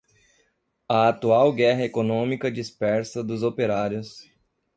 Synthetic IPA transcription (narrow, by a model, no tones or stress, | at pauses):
ɐat̪uawɡɛɦɐekonõmikɐd͡ʒispɛɾsɐd̪ʊzopeɾaɾjʊs